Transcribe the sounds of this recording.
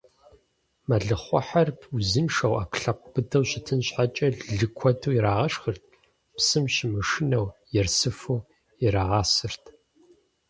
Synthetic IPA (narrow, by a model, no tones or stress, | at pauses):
mɐɮɨχʷɔ̰ħarpʰuzɨnʂɐwa̰ːkɬɐqʷb̥ɨdɐwɕɪtʰɨnɕħat͡ʃʼɐɮɮɨkʷʰɔtʰuwjiɾaːʁɐʂxərt̚ʰ | psɨmɕɪmɨʂɪnɐwjɛrsɨfɨw | jɪɾaːʁaːsɨrtʰ